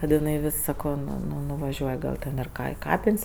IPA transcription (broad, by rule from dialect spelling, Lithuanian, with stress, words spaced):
kɐt ɪˈnɐɪ ˈʋʲɪs sɐˈkoː nʊ nʊʋɐˈʒʲuɔj ɡɐlˠ ˈtʲɛn ɪr ˈkɐ ɪ ˈkɑːpʲɪnʲsʲ